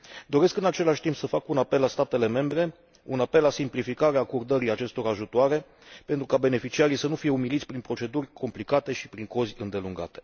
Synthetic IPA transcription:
d̪o̞ɾe̞skɨnat͡ʃe̞laʃʲt̪impsəfakunape̞lːast̪at̪e̞le̞me̞mbɾe̞ | unape̞lːasimplifikaɾeaːkord̪əɾiat͡ʃe̞st̪o̞ɾaʒut̪oaɾe̞ | pe̞nt̪ɾukabe̞ne̞fit͡ʃiaɾijsənufije̞umilit̪sʲpɾinpɾo̞t͡ʃe̞d̪urʲkʰo̞mplikat̪e̞ʃipɾiŋko̞zʲɨnd̪e̞luŋɡa̰t̪e̞̥

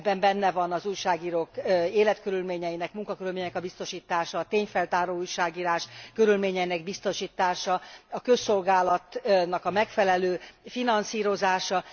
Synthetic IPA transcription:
bɛmbɛnːɛvɒnɒzuːjʃaːɡiːɾoːkeːlɛt̪kø̞ɾylmeːɲɛjinɛkmuŋkɒkøɾylmeːɲɛnɛkɒbist̪o̞ʃiːt̪aːʃɒːt̪eːɲfɛlt̪aːɾoːujʃaːɡiːɾaːʃkø̞ɾylmeːɲɛjinɛɡ̚bist̪o̞ʃiːt̪aːʃɒɒkø̞sːo̞lɡaːlɒt̪nɒkɒmɛkfɛlɛløːfinɒnsiːɾo̞zaːʃɒ

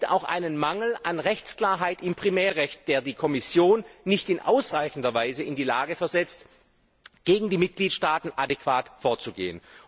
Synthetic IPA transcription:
ta̰ʊxʔa̰ɪnənmaŋl̩ʔanʁɛçt͡skl̥aːɐɦaɪtɪmpʁ̥imɛːɐʁɛçt̚d̥eːɐdiːkʰɔmɪsjoːnːɪçtɪnʔa̰ʊsʁaɪçn̩dɐvaɪzəɪndiːlaːɡəfɛɐzɛt͡st | ɡ̥eːɡŋ̩diːmɪt̚ɡ̥liːtʃtaːtn̩ʔadekv̥aːtfoɐt͡suɡḛːən

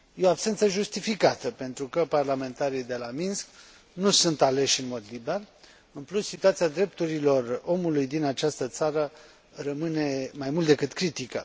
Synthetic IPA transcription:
jeoabse̞nt̪səʒust̪ifikat̪əpe̞nt̪ɾukəparlame̞nt̪aɾijd̪e̞laminsk | nusunt̪ale̞ʃɨnmo̞d̪libear | ɨnplusːit̪uat̪siad̪ɾe̞p̚t̪uɾilo̞ro̞mulujd̪inat͡ʃast̪ət̪saɾə | rəmɨne̞majmult̪d̪ekɨt̪kɾit̪ikə

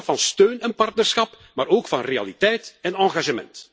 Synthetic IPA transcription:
vɑnstøːnɛnpɑrtnərsxɑp | maːɾoːkfɑnrea̰litɛjtɛnɑːɣaʒəmɛ̰nt

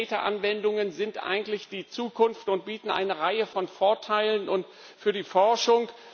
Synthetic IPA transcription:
tɐʔa̰nvɛndʊŋənzɪntʔa̰ɪɡŋ̩tlɪçd̥iːt͡suːkʰʊnftʊnt̚b̥iːtn̩ʔa̰ɪnəʁaɪəfɔnfoɐtʰaɪlənʊnt | fyːɐdiːfɔɐʃʊŋ

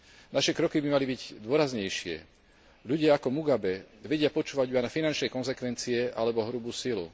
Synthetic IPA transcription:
naʃɛkɾɔkibimalibiɟd̪ʊɔɾazɲɛjʃɪɛ̰ | ʎuɟɪaakɔmuɡabɛʋɛɟɪapɔt͡ʃuːʋaɟuanafinant͡ʃnɛjkɔnzɛkʋɛnt͡siɛʔalɛbɔɦɾubuːsilṵ

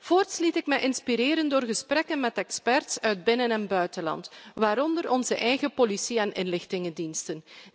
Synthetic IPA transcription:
v̥oːrtslitɪkmɛjʔɪnspiɾɪːɾəndoːrɣəsprɛkənmɛtɛkspɛrtsœɥd̚bɪnənɛnbœɥtəlɑ̰ntʋaːɾɔndəɾɔnzəʔɛjɣəpolisiɛnɪnlɪxtɪŋəndinstən

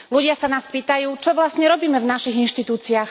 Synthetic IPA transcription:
luɟɪasanaːspiːt̪ajuːt͡ʃɔʋlasɲɛɾɔbiːmɛvnaʃiɣinʃt̪it̪uːt͡siax

